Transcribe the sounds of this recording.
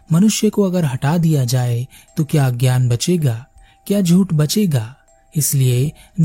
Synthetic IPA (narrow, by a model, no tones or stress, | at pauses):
mɐnʊʃjəkoɐɡəɾɦɐʈad̪ijad͡ʒaːe | t̪okjaɡjaːnbɐt͡ʃeɡaː | kjaːd͡ʒʱuːʈbɐt͡ʃeɡaː | ɪslie